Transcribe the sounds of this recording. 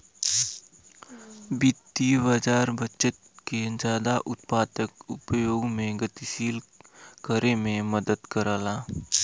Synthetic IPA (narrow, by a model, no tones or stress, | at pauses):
bɪt̪ːibad͡ʒaːɾbʱət͡ʃət̪̚ked͡ʒaːd̪aʔʊt̪paːt̪əkʊpjoːɡmẽɡət̪iʃiːlkəɾemẽməd̪əd̪kəɾaːlaː